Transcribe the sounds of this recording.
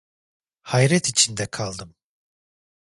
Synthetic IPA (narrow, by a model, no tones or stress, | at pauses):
hajɾɛt̪it͡ʃʰind̪ɛkʰalˠd̪ɯm